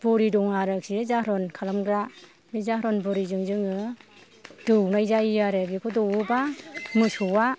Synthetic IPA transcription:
b̥ɔɾidɔŋaɾɯk̚sizahɾɔnkʰalamɡɾa | mizaɦɾɔnbɔɾizɯŋzɯŋɯ | d̥ɯwnajzajijaɾebikʰɔdɔwubamɯsuwa

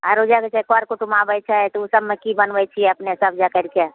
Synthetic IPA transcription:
aɾod͡ʒaket͡ʃʰɛkoaɾkoʈumabəjt͡ʃʰəjt̪ɔusəbmekibənbɛt͡ʃʰiɛəpnesəb̚d͡ʒakəɾke

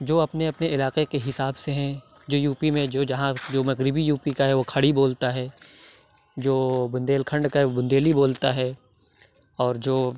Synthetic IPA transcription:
d͡ʒoːɐpneɐpneɪlaːqekeɦɪsaːbseɦɛ̃ | d͡ʒoːjuːpimẽd͡ʒoːd͡ʒɐɦãd͡ʒoːmɐɣɾɪbijuːpikaɦɛʋokʰɐɽiboːlt̪aɦɛː | d͡ʒoːbʊ̃nd̪eːlkʰə̃ɳɖkaɦɛʋobʊ̃nd̪eːliboːlt̪aɦɛː | ɔːɾd͡ʒoː

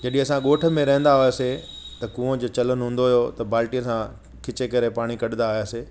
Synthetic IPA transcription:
d͡ʑɐɗĩɐsãɠoːʈʰə̆mẽɾɐɦə̃n̆d̪aɦoese | t̪ɐkũːə̃d͡ʑoːt͡ɕɐlənʊɦũːnd̪oɦjot̪ɐbaːlʈijəsã | kʰɪt͡ɕekɐɾepaːɽ̃ikɐɗɪnd̪aɦojaːseː

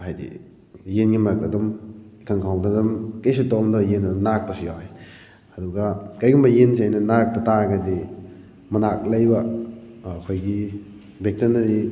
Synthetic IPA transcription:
hajdḭ | jenɡimaɾak̚tadumikʰaŋkʰawdadumkɐjsutɔmdɔjenɐdumnaɾk̚pɐsujaj | ɐduɡakɐjɡumbɐjensiajnɐnaɾk̚pɐtaɾɐɡɐdi | mɐnak̚lɐjbɐː | kʰojɡi | bek̚tɐnɐɾi

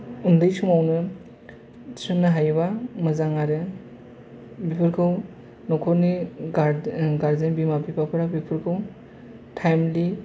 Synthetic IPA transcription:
undɯjsuŋawnɯ | sunːɯɦajbamɯzaŋaɾɯ | bipʰɯɾkʰɯw | nɔkʰɔɾniɡaɾɡaɾzenbimapipʰapʰɯɾabipʰɯɾkʰɯw | tʰajmli

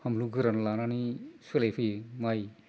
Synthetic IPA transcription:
hamluɡɯɾanlananiselejpʰɯjmaj

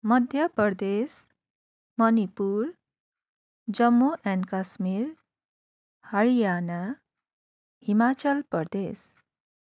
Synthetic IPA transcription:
mʌd̪ʱjʌpʌɾd̪es | mʌnipuɾ | d͡zʌmːoʔɛnkasmiɾ | həɭijana | himat͡sʌlpʌɾd̪es

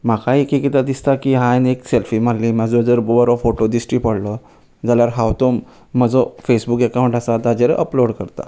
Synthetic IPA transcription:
m̤akaikikit̪ad̪ist̪akiːɦãnekselfiːmaɽliːmad͡zod͡zəɾbobəɾɔfoʈod̪isʈɾiːpəɽ̤lə | d͡zaljaɾɦawt̪omː | əd͡zɔfesbukekaũɳʈasat̪ad͡ʑeɾeʔəploɽkəɾt̪a̰

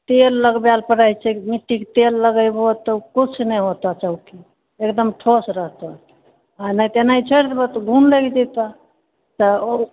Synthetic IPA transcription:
t̪elːəɡbjalpəɾajt͡ʃʰɛmiʈːiket̪elːəɡəjbot̪əkut͡ʃʰnɛɦot̪at͡ʃəɦuki | ekd̪əmʈʰosɾəɦt̪a | anat̪enait͡ʃʰəɾt̪bət̪əɡʱunleɡid͡ʒ̪et̪a | t̪əo

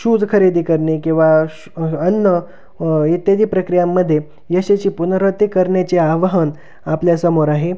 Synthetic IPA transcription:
ɕud͡zkʰəɾed̪iːkəɾɳekĩw̃ʋa | ənːə | it̪jəd̪iːpɾəkɾijamːəd̪ʱːje | jəɕet͡ɕiːpunɾət̪ikəɾɳjat͡ɕeaʋəɦən | apljasəmoɾaɦe

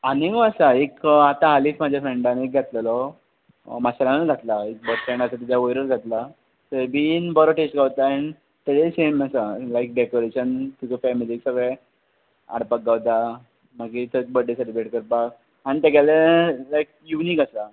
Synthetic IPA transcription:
aniɡasaekat̪ãɦaliːsmad͡ʑʱjafɾeɳɖãnek̚ɡʱjat̪ləlɔ | masalanəɡʱat̪laek̚bəʈfɾẽɳɖasat̪id͡ʑjaojɾəɾɡʱat̪la | t̪əbinbɔɾɔʈesʈ̚ɡʱaʋt̪aen | t̪eleseməsalajk̚ɖekoɾeɕənt̪ukefɛmiliːksəɡɭe | a̰ɽpak̚ɡawt̪a | məɡit̪əbəɖːesəʈibeʈkəɾpak | añit̪ekjalelajk̚juniːkasa

